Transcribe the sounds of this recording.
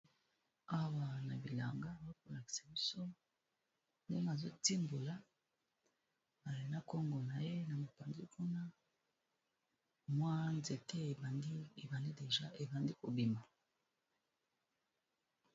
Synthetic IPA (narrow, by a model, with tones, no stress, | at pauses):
a˦wa˨na˨bi˨la̰˨ŋɡa˦˨zo˦ko˨la˨ki̥˨sa˨bi˦so˦ | nde˦na˨zo˦ti˦mbo˨la˦ | a˨le˨na˦ko˦ŋɡo˨na˨je˦na˨mo˨pa˨nzi˦kʰu˦na˦ | mwa˦nze˨te˦˨˦e˨ba˨ndi˦de˨ʒa˦e˨ba˨ndi˦ko˨bi˨ma˨